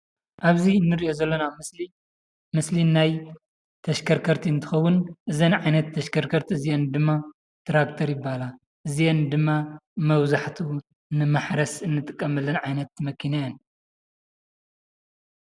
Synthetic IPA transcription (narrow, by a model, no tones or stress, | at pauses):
ʔaβzinːɨɾiʔo̞zɐlːɐnamɨsli | mɨslinaj | t̪ʰɐʃkʰɐɾkʰɐɾt̪ʰiɨnt̪ʰɨ̥xɐwːʊnʔɨzɐnʕajnɐt̪ʰːɐʃkʰɐɾkʰɐɾt̪ʰiɨzijend̪ɨmːa | t̪ʰɾakt̪ʰɐɾjɪbːala | ʔɨzijend̪ɨmːamɐβzaħt̪ʰu | nɨmaħɾɐsɨnːɨt̪ʼɨkʼːɐmɐlːɐnʕajnɐt̪̚mɐkʰinajɐn